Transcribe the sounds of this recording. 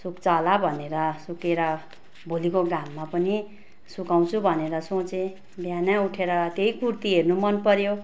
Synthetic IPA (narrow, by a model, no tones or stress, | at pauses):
sukt͡sʌlabʱʌneɾʌsukeɾʌ | bʱolikoɡamːapʌni | sukaw̃t͡sʰubʱʌneɾʌsõt͡se | bjanauʈʰeɾʌt̪jejkurt̪iɦernumʌnpʌɾjo